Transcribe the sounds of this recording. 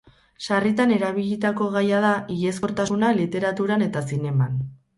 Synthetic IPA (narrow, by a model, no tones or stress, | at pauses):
ʃarit̪ane̞ɾaβiʎit̪ako̞ɣajað̞aʔiɣe̞sko̞ɾt̪asunalit̪e̞ɾat̪uɾane̞t̪asine̞man